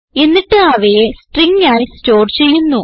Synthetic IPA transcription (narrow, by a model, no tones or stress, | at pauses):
e̞nːiʈːɨaʋejesʈriŋɡaːjisto̞ːrt͡ɕe̞jːunːu